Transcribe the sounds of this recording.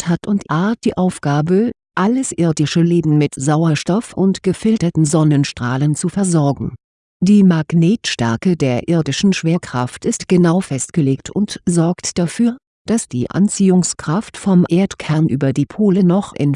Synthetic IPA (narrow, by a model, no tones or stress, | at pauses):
thatʊntʔaɐt̚d̥iːʔaʊfɡ̥aːbə | ʔaləsʔɪɐdɪʃəleːbn̩mɪtz̥aʊɐʃtɔfʊntɡ̥əfɪltɐtn̩zɔnənʃtʁ̥aːlənt͡sufɛɐzɔɐɡŋ̩ | d̥iːmaɡ̥neːtʃtɛɐkədeːɐʔɪɐdɪʃn̩ʃv̥eːɐkʁ̥a̰ftɪstɡ̥ənaʊfɛstɡ̥əleːktʰʊntzɔɐktd̥afyːɐ | d̥asd̥ḭːʔa̰nt͡siːʊŋskʁ̥aftfɔmʔeːɐtkʰɛɐnʔy̰ːbɐdiːpʰoːlənɔχʔɪ̰n